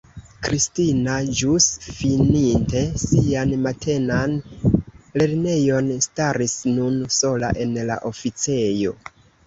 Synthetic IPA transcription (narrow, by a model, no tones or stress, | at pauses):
kɾistinad͡ʒusfininte̞sianmatʰe̞nan | le̞ɾne̞jo̞nstaɾisnunso̞la̰ʔe̞nla̰ʔo̞fit͡se̞jo̞̰